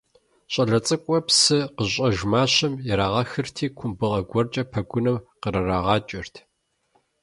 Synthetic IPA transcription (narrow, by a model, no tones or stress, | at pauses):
ɕʼɐɮɐt͡sʼɨkʷʼɔpsɨqəɕʼɐʒmaːɕɐmjɛɾaːʁɐxɨrtʰiːkʷʰʊmbɨʁɐɡʷɔrt͡ʃʼɐpʰɐɡʷʊnɐwqəɾɐraːʁɑːt͡ʃʼɪrtʰ